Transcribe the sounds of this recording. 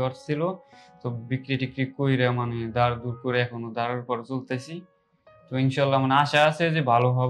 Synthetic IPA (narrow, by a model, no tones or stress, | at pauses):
ɔɾsʰilot̪ɔbikɾiʈikɾikojɾamaned̪aɾd̪uɾkoɾeɛkʰonod̪aɾeɾpɔɾet͡solt̪asi | t̪ɔinʃalːamaneaʃaasezebʱaloɦɔb